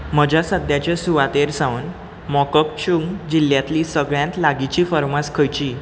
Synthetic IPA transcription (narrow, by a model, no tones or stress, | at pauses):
məd͡ʑʱasəd̪jat͡ɕesuʋat̪eɾsãʋən | mɔkək̚t͡ɕuŋd͡ʑilːjat̪liːsəɡɭjãnt̪laɡit͡ɕiːfəɾmaskʰəjt͡ɕiː